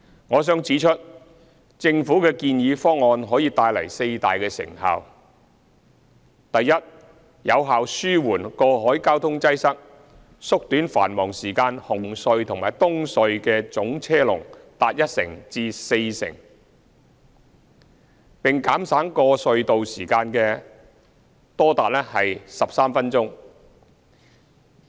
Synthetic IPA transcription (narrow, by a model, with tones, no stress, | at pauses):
ŋɔː˨˧s̬œː˥ŋt͡siː˨˥t͡ʃʰɵ˥t̚ | t͡sɪ˧ŋfuː˨˥kɛː˧kiː˧njiː˨˧fɔː˥ŋːɔː˧nɦɔː˨˥jiː˧t̪aː˧jlɐ̰˨˩jse˧jt̪aː˨jkɛː˧sɪ̰˨˩ŋha̰ː˨˧w | t̪ɐ˨jːɐ˥t̚ | jɐ˨˧wɦaː˨wsyː˥wuː˨˩nkɔː˧ɦɔː˨˥jkaː˥wt̪ʰʊ˥ŋt͡sɐ˥jsɐ˥k̚ | sʊ˥k̚t̪yː˨˥nfa̰ː˨˩nmɔː˨˩ŋsiː˨˩kaː˧nhʊ˨˩ŋsɵ˧ɥt̪ʰʊ˨ŋmaː˨˩jt̪ʊ˥ŋsɵ˨˧ɥkɛː˧t͡sʊ˨˥ŋt͡sʰɛː˥lʊ̰˨˩ŋt̪aː˨t̚jɐ˥t̚sɪ̰˨˩ŋt͡siː˧se˧jsɪ̰˨˩ŋ | pɪ˨ŋkaː˨˥msaː˨˥ŋkɔː˧sɵ˧ɥt̪o˨wsiː˨˩kaː˧nkɛː˧ | t̪ɔː˥t̪aː˨t̚lɛː˥hɐ˨jsɐ˨p̚saː˥mfɐ˥nt͡sʊ˥ŋ